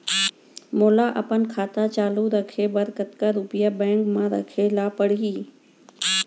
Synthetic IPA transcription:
moːlaːʔɐpənkʰaːt̪at͡ʃaːluːɾəkʰeːbəɾkət̪kaɾuːpɪjaːbɛ̃ːŋkmãːɾɐ̰kʰeːlaːpəɽ̤iiː

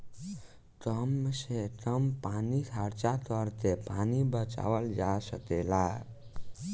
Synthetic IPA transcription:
ʈəmseʈəmpanit̪ʰaɾt͡ʃat̪əɾt̪epanibət͡ʃa̰wəld͡ʒasək̪ela

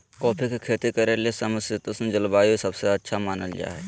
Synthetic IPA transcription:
kɔːpʰikekʰeːt̪ikɐɾelesɐməsɪt̪osnd͡ʒəlbaːjoisɐbseɐtːʃʰamaːnəld͡ʒa̰ːɦɛ

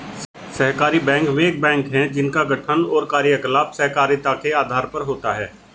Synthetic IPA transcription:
sɐɦkaːɾibɛ̃ːŋkmẽk̚bɛ̃ːŋkɦɛ̃d͡ʒɪnkaɡɐʈʰənɔːɾkaːɾjəklaːpsɐɦkaːɾjt̪akeaːd̪ʱaːɾpɐɾɦoːt̪aɦɛː

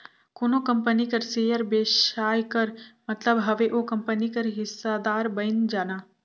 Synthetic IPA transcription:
koːnokɐmpənikɐɾseːjəɾbeːʃʃaːjkɐɾmɐt̪ləbɦɐʋeʔokɐmpənikɐɾɦɪsːad̪aːɾbɐjnd͡ʒaːnaː

